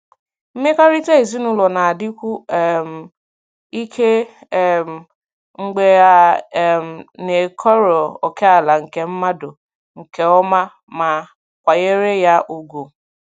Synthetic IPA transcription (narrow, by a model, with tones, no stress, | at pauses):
m̩˦me˦ka˦ɾi˦te˦e˨zi˦nu˦lɔ˨na˨a˨dɪ˦kʷu˦˨m̩˨ | i˦kʰe˦ | m̩˨ | ŋ̩˦ɡ͡be˦a˦˨m̩˨ne˨kʰɔ˦ɾo˨o˨ke˦a˨la˨ŋ̩˨ke˨m̩˦ma˦do˨ | ŋ̩˨ke˦ɔ˦ma˦ | ma˨ | kʷa˨ɣe˦ɾe˦ja˦ʔu˨ɡo˨